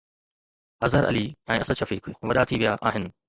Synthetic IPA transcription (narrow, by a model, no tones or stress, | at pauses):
ɐzɦəɾʔɐ̰liɛ̃ːɐsəʃɐfiːkʋɐɗat̪ʰiʋijaʔaːɦɪnɪ̆